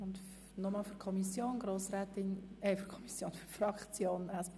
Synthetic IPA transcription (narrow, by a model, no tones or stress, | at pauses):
ʊnt̪ | nɔmɑːlfyɾkʰɔmisjoːnɡɾoːsɾɛːt̪ɪnɛɪfyɾkʰɔmisjoːnfyfrɑkt͡sjoːnæsp